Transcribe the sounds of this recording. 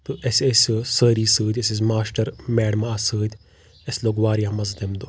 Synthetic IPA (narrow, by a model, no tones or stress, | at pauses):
t̪uʔesessəːɾiːsɨːd̪ʲeses̬maːsʈɐɾmɛːɖmaːsɨːd̪ʲ | esloːɡʋaːɾjãːmɐzd̪emd̪u